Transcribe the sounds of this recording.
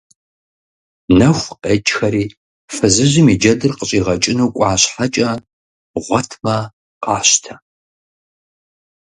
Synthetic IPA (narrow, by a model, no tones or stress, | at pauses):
nɐxʷqeːt͡ʃʼxɐɾiː | fɨzɨʑɪmiːd͡ʒɐdɨrqəɕʼiːʁɐt͡ʃʼɪnuːkʷʼɑːɕħat͡ʃʼɐ | ʁʷɔtʰmɐ | qʼɑːɕtʰɐ